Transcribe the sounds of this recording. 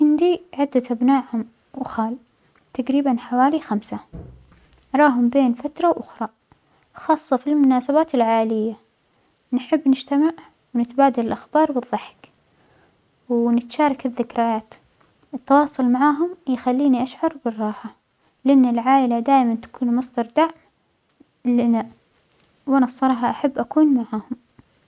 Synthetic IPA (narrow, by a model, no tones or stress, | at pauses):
ʔɪnd̪iʕɪd̪ːaʔabnaːʕhʊm | wxaːl | t̪aɡɾiːbanħawaːlixamsa | ɾˤɑːɦʊmbeːnfat̪ɾˤɑwʔʊxɾˤɑ | xɑːsˤːɑfilmʊnaːsabaːt̪ɪlʕaːʔlɪjːa | nħɪbːnɪd͡ʒt̪amaʕ | wnɪt̪baːd̪alɪlʔaxbɑːɾˤbɨðˤːɑħk | wnɪt̪ʃɑːɾˤɑkɪðːɪkɾɪjaːt̪ | ʔɪt̪ːɑwɑːsˤʊlmaʕaːɦʊmjxalːiːniʔaʃʕɑɾˤbɪrˤːɑːħa | lɪʔanːɪlʕaːʔɪlad̪aːʔmant̪ḁkuːnmɑsˤd̪ɑɾˤd̪aʕm | lɪna | wʔanasˤɑɾˤɑːħɑʔaħabːʔakuːnmaʕaːhʊm